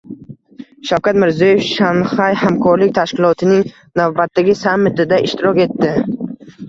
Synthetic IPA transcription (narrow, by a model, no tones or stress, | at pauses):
ʃawkʰʲat̪mɪɾzjɒjefʃanχajhamkʰɒɾlɪk̚ʲt̪ʰaʃkʲɪlˠɒt̪ʰɪnɪŋ | navbat̪ːaɡʲɪsamːɪt̪ɪd̪aʔɪʃt̪ɪɾɒkʲe̞t̪ːɪ